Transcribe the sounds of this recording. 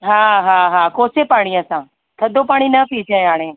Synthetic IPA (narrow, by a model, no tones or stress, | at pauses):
ɦaːɦaːɦaːkoːsepaːɽ̃iəsãː | t̪ʰɐd̪ʱopaːɽ̃inɐpiːt͡ʃʰãːaːɽ̃ẽː